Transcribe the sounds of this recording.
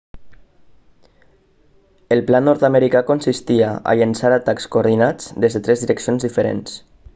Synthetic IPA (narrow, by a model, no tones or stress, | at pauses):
əlˠplanɔɾt̪ameɾikakonsist̪iaa̰ʎənsaɾat̪akskoːɾð̞inad͡zd̪ezðet̪ɾɛzðiɾəksionzðifeɾḛns